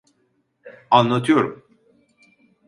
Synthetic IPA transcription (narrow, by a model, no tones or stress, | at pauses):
anlˠat̪ʰɯjoɾum